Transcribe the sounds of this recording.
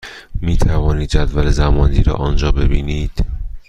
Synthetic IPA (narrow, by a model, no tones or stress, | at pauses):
miːt̪ʰævɒːniːd̪̚d͡ʒæd̪vælezæmɒːnd̪iːɾɒ̰ːʔɒnd͡ʒɒːbe̞biːniːd̪̥